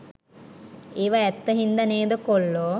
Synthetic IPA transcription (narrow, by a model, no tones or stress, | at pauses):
eːʋaɛt̪ːɐɦind̪ɐneːd̪əkoɭːo